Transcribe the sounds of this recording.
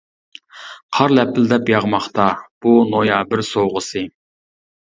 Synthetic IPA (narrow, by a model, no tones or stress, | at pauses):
qʰɑɾlɛpʰːɪld̪ɛpjɑʁmɑχt̪ɑb̥unojɑbɪɾsowʁəsɨ